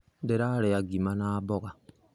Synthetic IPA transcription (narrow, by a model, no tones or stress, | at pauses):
deɾaɾeaɡimanaːbɔɣa